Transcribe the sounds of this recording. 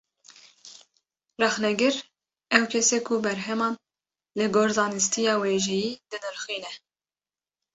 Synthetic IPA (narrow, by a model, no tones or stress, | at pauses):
rɛxnɛɡɨɾ | ɛwkʰɛseːkʰubɛɾɦɛmɑːn | lɨɡoːɾzɑːnɨst̪ʰijɑːweːʒɛjiːd̪̥ɨnɨɾxiːnɛ